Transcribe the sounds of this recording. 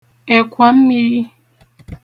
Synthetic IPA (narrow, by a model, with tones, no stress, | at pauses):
ɛ˨kʰʷwa˨˦m̩˦mi˦